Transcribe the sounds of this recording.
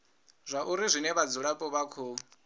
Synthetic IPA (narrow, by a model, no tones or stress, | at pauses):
zʷaʔuɾizʷinɛβad͡zuɺapʼɔβakʰɔ